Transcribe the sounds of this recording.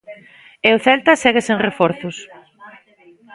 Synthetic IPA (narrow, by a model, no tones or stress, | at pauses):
eʊθɛlt̪ɐsɛɣeseŋrefɔɾθʊs